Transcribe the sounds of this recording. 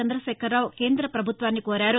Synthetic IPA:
ɐnd̪ɾɐʃɛːkʰɐɾːaːwke̞ːnd̪ɾɐpɾɐbʱut̪ʋaːnːikoːɾaːɾu

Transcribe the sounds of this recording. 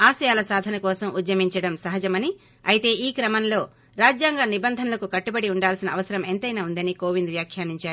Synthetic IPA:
aːsɐjaːlɐsaːd̪ʱɐnɐkɔːsɐmud̪jɐmiɲt͡ʃɐɽɐmsɐɦɐd͡ʒɐmɐni | ɐjt̪e̞ːʔiːkɾɐmɐnlo̞ː | ɾaːd͡ʒjaːŋɡanibɐnd̪ʱɐnɐlɐkukɐʈːubɐɽiuɳɖaːlsinɐɐʋɐsɐɾɐment̪ɐjnaːund̪ɐniko̞ːʋind̪ʋjaːkʰjaːniɲt͡ʃaːɾu

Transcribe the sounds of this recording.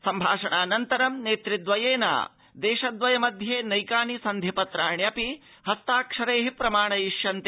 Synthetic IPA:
sɐmbʱa̰ːʂɐɳaːnɐnt̪ɐɾɐmneːt̪ɾid̪ʋɐjeːna̰ː | d̪eːʃɐd̪ʋɐjɐmɐd̪ʱjeːnɐjkaːnisɐnd̪ʱipɐt̪ɾaːɳjɐpi | hɐst̪aːkʂɐɾeːɦipɾɐmaːɳɐjiʂjɐnt̪e

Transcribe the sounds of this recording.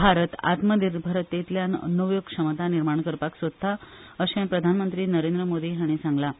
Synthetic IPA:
bʱaɾət̪a̰t̪məd̪iɾbʱəɾət̪ːet̪ljanə̰nəʋjoɡ̚kʂəmt̪aniɾmaɳ̃kəɾpaksʋəd̪ʱːa | əɕẽpɾəd̪ʱanmənt̪ɾiːnəɾend̪ɾəmod̪iːɦaɽ̃isãŋɡla

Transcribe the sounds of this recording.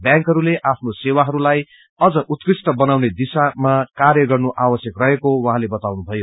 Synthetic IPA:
bjãŋkɦʌɾuleʔapʰnosewaɦʌɾulaj | ʌd͡zʌʔut̪kisʈʌbʌnawned̪isamakarjʌɡʌrnoʔabʌsjʌkrʌɦekowʌ̃ɦãlebʌt̪awnubʱʌjo

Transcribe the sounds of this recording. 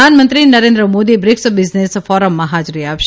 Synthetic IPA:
anmənt̪ɾinəɾẽnd̪ɾəmod̪ibɾɪksbɪznesfɔɾəmːãɦad͡ʒɾiaʋʃ

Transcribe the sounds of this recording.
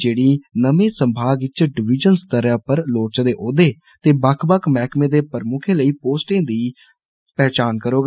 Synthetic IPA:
d͡ʒeːɽiːnəmẽːsəmbʱaːɡɪt͡ʃɖɪʋɪd͡ʒənst̪əɾãːpəɾloːt͡ʃːd̪eːʔoːd̪eː | t̪eːbəkʰbəkʰmɛːkmẽːd̪eːpəɾmʊkʰẽːləiːpoːsʈẽːd̪iː | pɛːt͡ʃaːnkəɾoːɡa

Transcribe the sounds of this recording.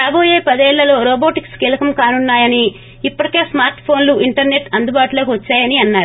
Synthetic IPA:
ɾaːboːje̞ːpɐd̪ɛːɭːɐlo̞ːɾoːboːʈikskɛːlɐkɐmkaːnunːaːjɐniː | pːɐɽike̞ːsmaːɾʈpʰo̞ːnluʔiɳʈɐɾne̞ʈɐnd̪ubaːʈuloːkiʋɐt͡ʃːaːjɐniɐnːaːɾu

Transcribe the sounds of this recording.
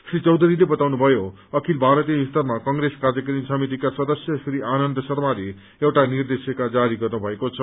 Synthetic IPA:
sɾit͡sʌwd̪ʱuɾilebʌt̪awnubʱʌjo | ʌkʰilbʱaɾʌt̪ijʌist̪ʌrmakʌŋɡɾeskard͡zjʌkɾinsʌmit̪̬ikasʌd̪ʌsjʌsɾianʌnd̪ʌsʌrmale | ewʈanird̪esekad͡zaɾiɡʌrnubʱʌekot͡sʰʌ

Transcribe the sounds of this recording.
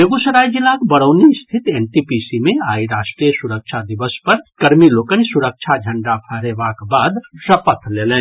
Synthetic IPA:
eɡusəɾajd͡ʒilːakbəɽəʊnist̪ʰit̪enʈipisimẽaːiɾasʈɾijəsuɾək̚t͡ʃʰad̪iʋəspəɾkəɾmilokənisuɾək̚t͡ʃʰad͡ʒʱə̃ɳɖapʰəɾebakbaːd̪səpət̪ʰlelɛ̃ːn

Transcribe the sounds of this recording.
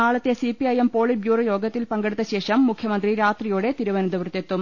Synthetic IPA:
aːɭɐt̪ːe̞sipiɐjempo̞ːɭibjuːrɐjo̞ːɡɐt̪ːilpɐŋɡeɽut̪ːɐɕe̞ːʂɐmːukʰjɐmɐnd̪riɾaːt̪rijuːɽe̞t̪iɾuʋɐnɐd̪ɐʋrt̪ːe̞t̪ːum

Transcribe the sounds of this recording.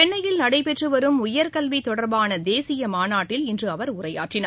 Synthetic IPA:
ɛɳːɐjɪlnɐɽɐɪpɛʈrɯʋɐɾɯmʊjɐɾkɐlʋit̪ɔɽɐɾbaːnɐd̪eːsɪjɐmaːnaːʈːɪlɪndrɯɐʋɐɾʊrɐja̰ːʈrɪnɐ

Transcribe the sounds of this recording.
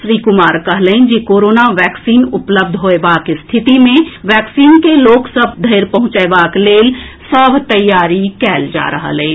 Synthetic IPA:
sɾiːkʊmaːɾkɐɦlə̃ɪ̃d͡ʒikoːɾoːnaʋɛːksiːnʊpləb̚d̪ʱɦoːebaːkist̪ʰɪt̪imẽʋɛːksiːnkeloːksəb̚ʱd̪ʱeːɾpɐɦʊ̃t͡ʃəebaːkleːlsəbʱt̪ɐjːaːɾikɛːld͡ʒa̰ːɾəɦa̰lẽ

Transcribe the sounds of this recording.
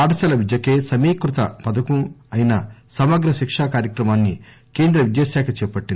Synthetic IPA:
aːɽɐsɐlɐʋid̪jɐkeːsɐmiːkɾut̪ɐ̰pɐd̪ɐkumɐjinɐsɐmɐɡɾɐʃikʂaːkaːɾjɐkɾɐmaːnːi | keːnd̪ɾɐʋid̪jasaːkʰɐt͡ʃɛːpɐʈːin

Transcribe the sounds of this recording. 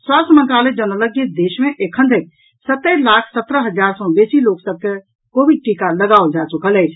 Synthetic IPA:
swast̪ʰəməŋkaled͡ʒənələkd͡ʒed̪eʃmeʔekʰənd̪ʱek̪̚ | sət̪əlakʰsət̪ɾəɦəd͡ʒaɾsɔ̃besiloksəb̚ke | kobiɖ̚ʈikaləɡaold͡ʒat͡ʃukələjt͡ʃʰ

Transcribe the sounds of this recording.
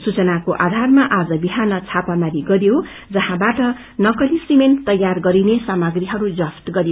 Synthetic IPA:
sut͡sʌnakoʔad̪ʱarmaʔad͡zʌbiɦanʌt͡sʰapamaɾiɡʌɾjo | d͡zʌɦãbaʈʌ | nʌkʌlisiment̪ʌjːarɡʌɾinesamʌɡriɦʌɾud͡zʌst̪ɡʌɾijo

